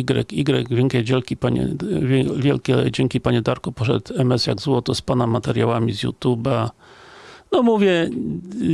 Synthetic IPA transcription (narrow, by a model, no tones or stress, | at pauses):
iɡɾɛ̰kiɡɾɛ̰ɡvʲjɛŋkʲɛd͡ʑɛlkʲipaɲɛ̰vʲɛvʲjɛlkʲɛ̰d͡ʑɛŋkʲipaɲɛd̪aɾkɔpɔʂɛ̰t̪ɛmɛsja̰ɡzwɔt̪ɔspanamat̪ɛɾʲjawamʲizʲjṵt̪juba | nɔmuvʲjɛ